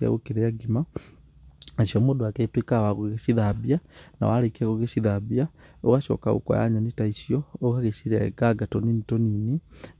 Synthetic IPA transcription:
a̰ɣukiɾejaɡima | asiomodoaketwikawaɣoɣesiðabiana̰walekiaɣoɣesiðabiao̰ɣaʃo̰ka̰ɣṵka̰ja̰ɲanitaisjooɣaɣeʃiɾa̰ḛɡaɡatoninitonini

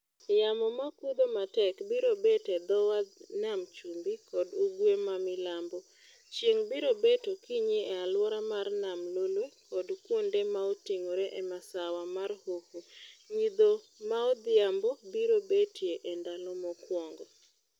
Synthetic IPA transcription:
jamɔmakud̪omatɛkbiɾobetɛd̪ɔwanamt͡ʃumbikɔduɡwemamɪlambɔ | t͡ʃjeŋbiɾobetokiɲiɛalwɔɾamarnamlolwekɔdkwondemaotiŋoɾeʔɛmasawamarhohuɲid̪o | maɔd̪ɪambɔbiɾobetjeʔɛndalɔmɔkwɔŋɡɔ

